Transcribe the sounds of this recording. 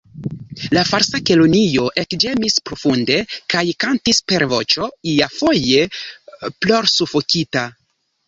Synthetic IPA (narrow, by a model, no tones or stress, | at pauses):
lafaɾsakelonijo̞ʔekd͡ʒe̞mispɾo̞funde̞kajkantispe̞ɾvo̞̰t͡ʃo̞iafo̞je̞ | plo̞ɾsufo̞kita